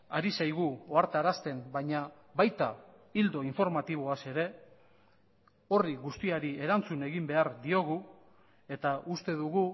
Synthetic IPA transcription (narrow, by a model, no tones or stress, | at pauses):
aɾisajɣ̞uoaɾt̪aɾast̪e̞mbajɲa | βajt̪a | ild̪o̞iɱfo̞ɾmat̪iβ̞o̞ase̞ɾe̞ | o̞riɣust̪iaɾie̞ɾant͡sune̞ɣimbe̞aɾd̪io̞ɣu | e̞t̪aust̪e̞ðuɣu